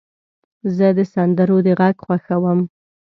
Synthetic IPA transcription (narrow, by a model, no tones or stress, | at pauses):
zəd̪əsand̪əɾod̪əɣaɡxwaxawəm